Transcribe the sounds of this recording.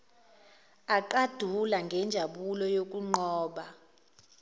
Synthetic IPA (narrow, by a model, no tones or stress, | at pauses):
aǃad̥ʱulaŋɡʱɛnd͡ʒʱaɓulɔjok̬ʼuŋ͡ǃɔːɓa